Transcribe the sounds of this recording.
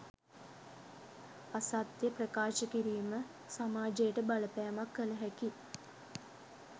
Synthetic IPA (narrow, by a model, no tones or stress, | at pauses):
asat̪jəprəkaːʃəkiɾiːmə | samaːd͡ʒejʈəbaləpæːamakːələɦæki